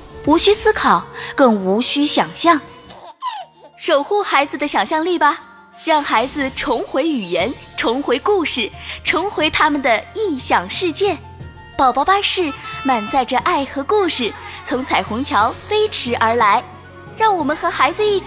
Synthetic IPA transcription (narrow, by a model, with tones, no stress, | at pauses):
u˧˥ɕy˥sɹ̩˥kʰɑ˨˩˦ʊkɤ˥˩ŋu˧˥ɕy˥ɕjɑ˨˩ŋɕjɑ˥˩ŋ | ʂo˨˩ʊxu˥˩xa˧˥ɪd͡zɹ̩˧d̪ə˩ɕjɑ˨˩ŋɕjɑ˥˧ŋli˥˩bɐ˩ | ɻɑ˥˩ŋxa˧˥ɪd͡zɹ̩˧ʈ͡ʂʰʊ˧˥ŋxwe˧˥ɪy˨˩jɛ˧˥nʈ͡ʂʰʊ˧˥ŋxwe˧˥ɪku˥˧ʂɻ̩˥˩ʈ͡ʂʰʊ˧˥ŋxwe˧˥ɪt̪ʰa˥mə˨nd̪ə˩i˥˩ɕjɑ˨˩ŋʂɻ̩˥˧t͡ɕjɛ˥˩n | pɑ˨˩ʊpɑ˥˧ʊpa˥˧ʂɻ̩˥˩ma˨˩nt͡sa˥˧ɪʈ͡ʂə˧˩ʔa˥˩ɪxɤ˧˥ku˥˧ʂɻ̩˨˩t͡sʰʊ˧˥ŋt͡sʰa˨˩ɪxʊ˧˥ŋt͡ɕʰjɑ˧˥ʊfe˥ɪʈ͡ʂʰɻ̩˧˥ʔə˞˧˥la˧˥ɪ | ɻɑ˥˩ŋwɔ˨˩mə˧˦nxɤ˧˥xa˧˥ɪd͡zɹ̩˧i˥˩